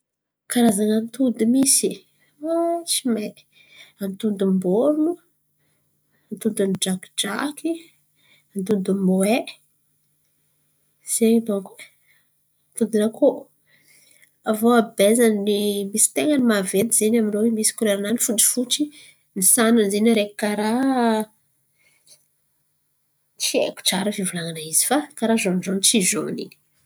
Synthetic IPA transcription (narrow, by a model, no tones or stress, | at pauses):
kaɾazanənt̪ud̪imisi | at͡ʃime | ant̪und̪umboɾunu | ant̪ud̪unid͡ʒakd͡ʒaki | ant̪und̪umoe | z̥ebokː | nt̪ud̪inako | avoabezaninimisi̥t̪eŋanimaved̪izenaminowemisi̥kuleɾananifuʈ͡ʂi̥fut͡ʃi | nisananzeniɾeki̥kaɾa | t͡siḛku̥ʈ͡ʂaɾəvivulaŋanaizi̥fakaɾazonɖ͡ʐonit͡sizo̰nḭi̥